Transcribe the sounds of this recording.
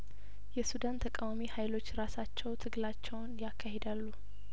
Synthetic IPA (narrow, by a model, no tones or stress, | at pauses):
jɛsud̪ant̪ʰəkʼawamihajlo̞t͡ʃːɾasat͡ʃːɛwt̪ʰɨɡlat͡ʃːɛwnjakːahed̪alːu